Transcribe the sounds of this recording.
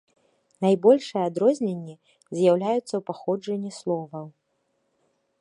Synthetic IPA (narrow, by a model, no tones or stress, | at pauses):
najbɔlʲʂɨjɛad̪ɾɔzʲnʲenʲːi | zʲjawlʲajut̪sːɐwpaxɔd͡ʐɐnʲːislˠɔvɐw